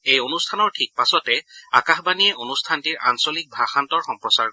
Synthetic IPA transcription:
ejonustʰanɔɹtʰik̚pasɔtɛakaxbaniɛʔonustʰantiɹa̰nsolik̚bʱaxantɔɹxɔmpɹɔsaɹ

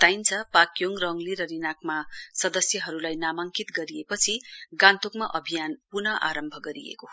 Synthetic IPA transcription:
t̪ajnt͡sʰʌpakjoŋrʌŋliɾʌɾinakmasʌd̪ʌsjʌɦʌɾulajnamaŋkit̪ɡʌɾijepʌt͡sʰiɡãnt̪okmaʔʌbʱijanpunʌʔa̰ɾʌmbʱʌɡʌɾiḛko

